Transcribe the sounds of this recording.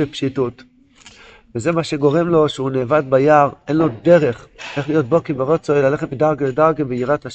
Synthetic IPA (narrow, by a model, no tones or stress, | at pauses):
epʃitut | veze̞maʃeɡo̞ʁe̞mlo̞ʃeunevad̪bajaʁʔe̞nlo̞d̪e̞ʁe̞χʔeχlijo̞t̪̚bo̞kebeʁo̞t͡soelaleχet̪midaʁɡledaʁɡebeiʁataʃ